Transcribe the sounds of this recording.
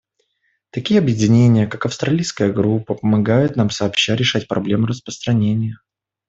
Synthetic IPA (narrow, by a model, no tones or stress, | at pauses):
t̪ɐkʲijəɐbjɪdʲɪnʲenʲɪjəkakɐfst̪ɾɐlʲijskəjəɡɾupːəpəmɐɡajʊt̪namsəːpɕːaɾʲɪʂatʲpɾʔɐ̰blʲe̞mɾəspɾəst̪ɾɐnʲenʲɪjə